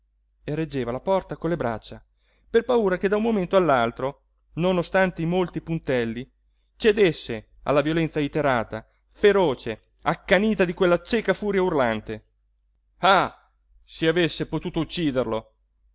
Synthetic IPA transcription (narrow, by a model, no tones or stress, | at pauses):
ered͡ʒːeːvalapɔrt̪akonlːebɾat͡ʃːa | perpauːɾak̟ed̪aumːoment̪oalːalt̪ɾo | nonost̪ant̪eimolt̪ipunt̪ɛlːi | t͡ʃed̪esːe | a̰lːavjolɛnsait̪eɾaːt̪a | feɾɔːt͡ʃe | akːaniːt̪ad̪ikwelːat͡ʃekafuːɾjaurlant̪e | a | siavesːepot̪uːt̪out͡ʃːiːd̪erlo